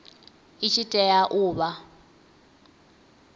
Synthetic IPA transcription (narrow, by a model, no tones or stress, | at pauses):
it͡ʃʰitʼɛjaʔuːβa